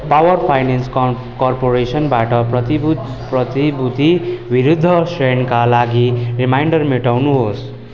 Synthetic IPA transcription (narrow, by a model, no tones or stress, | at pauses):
pawʌrpʰajnensk | kʌrpoɾesʌnbaʈʌprʌt̪i | prʌt̪ibud̪ʱibiɾud̪ʱːʌsrenkalaɡirimajɳɖʌrmeʈawnuɦos